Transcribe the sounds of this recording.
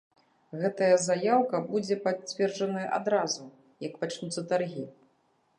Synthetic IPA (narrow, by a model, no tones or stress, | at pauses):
ɣɛt̪ɐjɐzajawkɐbud͡zʲɛpat͡sʲvʲɛrd͡ʐɐnɐjɐʔa̰d̪ɾazu | jɐkpat͡ʂnut̪sːɐt̪arɣʲi